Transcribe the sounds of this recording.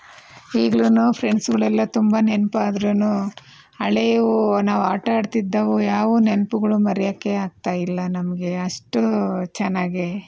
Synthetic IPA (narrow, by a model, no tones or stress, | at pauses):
iːɡɐɭunuːpʰɾeɳɖsɡɐɭɛlːɐt̪umbɐnenpaːd̪ɾunu | ɐɭeʋunaːʋuaːʈaːɽt̪id̪ːɐʋujaːʋunenpuɡɐɭumɐɾɛjɐkːe̞aːɡ̚t̪aːjilːɐnɐmɐɡe̞ɐʂʈut͡ʃɛnːaːɡe